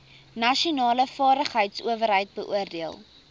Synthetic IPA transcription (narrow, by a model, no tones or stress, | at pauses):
nɐʃionɑːləfɑːɾəχɦəjtsṵəvərɦəjt̚bəʔuərdiəlˠ